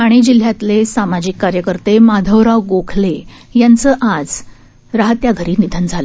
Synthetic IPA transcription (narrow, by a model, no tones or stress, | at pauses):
aɽ̃id͡ʑil̤jat̪lesamad͡ʑikːaɾjəkəɾt̪emad̪ʱəwɾaʋɡokʰlejant͡səʔad͡z | ɾaɦət̪jaɡʱəɾiːnid̪ʱənd͡zʱale